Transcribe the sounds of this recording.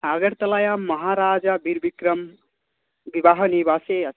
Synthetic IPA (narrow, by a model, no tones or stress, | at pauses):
aɡəɾt̪ɐlajamʌɦaɾaːd͡ʒabiɾbikɾəm | bibaɦənibaseʌ